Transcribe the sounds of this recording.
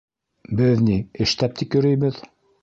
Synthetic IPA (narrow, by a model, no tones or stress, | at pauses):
bɘðniɘ̆ʃt̪æp̚t̪ʰikjɵ̆ɾɘ̆jβɘð